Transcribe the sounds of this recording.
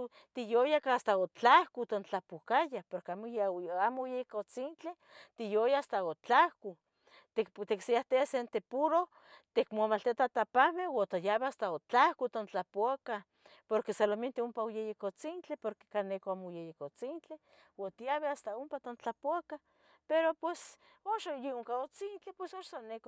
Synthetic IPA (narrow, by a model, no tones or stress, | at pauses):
t̪ijojakaast̪aot͡ɬahkut̪ont͡ɬapukajapoɾkeamoamojejekot͡sint͡ɬe | t̪ijojaast̪aot͡ɬahku | t̪ekt̪eksiaht̪easent̪epuɾo | t̪ekmamalt̪iat̪at̪apahmewat̪ajaβeast̪aot͡ɬahkut̪ont͡ɬapoaka | poɾkesaloment̪iumpaojejekot͡sint͡ɬepoɾke̥kanːekoamojejekot͡sint͡ɬe | wat̪ijaβeast̪aumpat̪ont͡ɬapoaka | peɾopwes | oʃajeuŋkaot͡sint͡ɬepwesoʃsanek